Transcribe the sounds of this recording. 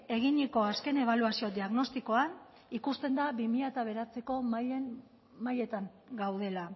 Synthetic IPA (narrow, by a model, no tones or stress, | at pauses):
e̞ɣ̞iɲiko̞aske̞ne̞β̞aluasio̞d̪iaɣno̞st̪iko̞an | ikust̪e̞nd̪aβimiʎat̪aβ̞e̞ɾat͡se̞ko̞men | maje̞t̪aŋ | ɡawðe̞la